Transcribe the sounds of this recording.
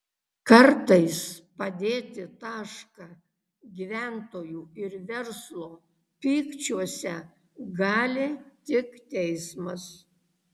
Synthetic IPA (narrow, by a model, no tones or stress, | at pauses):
kɐɾt̪ɐɪspɐd̪ʲeːt̪ʲɪt̪ɑːʃkɑː | ɡʲiːʋʲæˑnt̪oːjuːɪɾʋʲɛɾslˠoː | pʲiːkt͡ʃʲuɔsʲɛ | ɡɑːlʲeːt̪ʲɪkt̪ʲɛɪsmɐs